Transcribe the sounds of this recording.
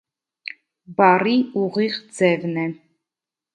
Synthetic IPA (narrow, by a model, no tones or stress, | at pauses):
baɾiuʁiʁd͡zɛvnɛ